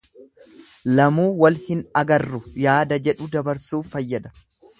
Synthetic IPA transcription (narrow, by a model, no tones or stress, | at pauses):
lɐmuːwɐlhɪnɐɡɐrːʊjaːd̪ɐd͡ʒɛᶑʊd̪ɐbɐɾsuːfɐjːɐd̪ɐ̥